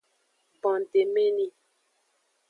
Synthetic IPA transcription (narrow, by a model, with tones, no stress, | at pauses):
pɔ̃˨n˨te˨me˦ni˦